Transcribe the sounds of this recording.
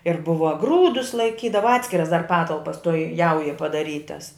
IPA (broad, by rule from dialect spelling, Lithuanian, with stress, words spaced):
ɪr ˈbʊʋɐ ˈɡruːdʊs lˠɐɪˈkʲiːdɐʋɐ ˈɑːtʲsʲkʲɪrɐs dɐr ˈpɑːtɐlˠpɐs toːj ˈjɛʊjoːj pɐdɐˈrʲiːtɐs